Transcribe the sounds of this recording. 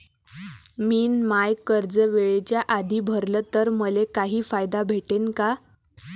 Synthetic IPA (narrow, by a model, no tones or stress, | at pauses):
miːnmajkəɾd͡zəʋeɭet͡ɕjaʔad̪ʱiːbʱəɾlət̪əɾməlekaɦiːfajd̪abʱeʈenka